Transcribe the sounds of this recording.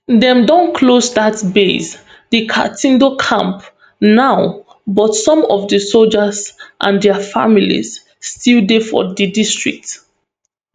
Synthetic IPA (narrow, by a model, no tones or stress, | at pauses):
dɛ̃mdɔ̃nkʰlosdatbes | dikʰa̰tĩndokʰã̰mp | naʊ | bɔtsɔ̃mɔvdəsold͡ʒəzʔã̰ndɛəfa̰milḭz | stildefɔ̰ðidistɹ̥ḭk̚t